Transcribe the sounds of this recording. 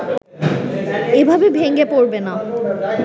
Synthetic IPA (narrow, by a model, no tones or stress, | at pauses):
ebʱabebʱeŋɡepoɹbena